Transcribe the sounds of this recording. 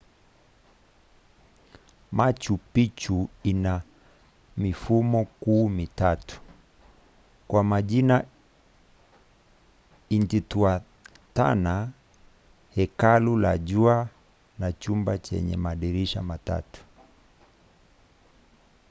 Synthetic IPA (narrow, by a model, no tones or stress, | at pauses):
mat͡ʃupit͡ʃuina | mifumɔkuːmitatu̥ | kwamaʄina | intitua | ta̰na | hɛkalula̰ʄua | nat͡ʃumbat͡ʃɛ̰ɲɛ̰maɗiɾiʃamata̰tu̥